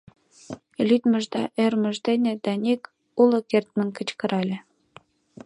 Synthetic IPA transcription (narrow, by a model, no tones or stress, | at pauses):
lʲyt̪mə̆ʒd̪ɑʔermə̆ʒd̪enʲĕd̪̥ɑnʲek | ulɤ̆kert̪̚mə̆nkə̆t͡ɕkə̆ɾɑlʲĕ